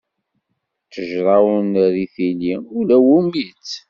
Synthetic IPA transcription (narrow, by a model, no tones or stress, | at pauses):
t͡sːəʒɾˤɑwənɾiθiliulæwumit͡sː